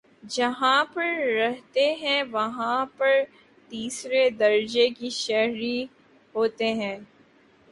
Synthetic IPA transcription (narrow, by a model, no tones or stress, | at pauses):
d͡ʒɐɦãpɐɾɾɛɦt̪eɦɛ̃ʋɐɦãpɐɾ | t̪iːsɾed̪ɐɾd͡ʒekiʃɛɦɾi | ɦoːt̪eɦɛ̃ː